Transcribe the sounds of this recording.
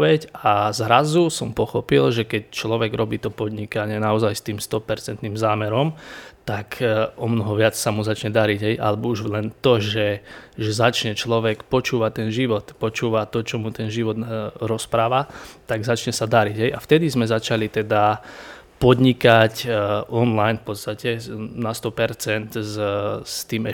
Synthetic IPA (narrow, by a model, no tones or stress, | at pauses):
ʋɛcazɾazusɔmpɔxɔpilʒɛkɛc̚t͡ʃlɔʋɛɡɾɔbiːt̪ɔpɔd̪ɲikaɲɪɛnaɔzajst̪iːmst̪ɔpɛɾt͡sɛnt̪niːmzaːmɛɾɔmt̪akɔmnɔɦɔʋɪat͡ssamuzat͡ʃɲɛd̪aɾiɟɦɛjʔa̰lɛbɔuʒlɛnt̪ɔʒɛʒɛzat͡ʃɲɛt͡ʃlɔʋɛkpɔt͡ʃuːʋat̪ɛnʒiʋɔt̪pɔt͡ʃuːʋat̪ɔt͡ʃɔmut̪ɛnʒiʋɔd̪ɾɔspɾaːʋat̪aɡzat͡ʃɲɛsad̪aɾiɟɦɛjʔaft̪ɛd̪izmɛzat͡ʃalit̪ɛd̪a | pɔd̪ɲikacʔɔnlajnfpɔt̪st̪acɛnast̪ɔpɛɾt͡sɛnt̪zst̪iːmɛ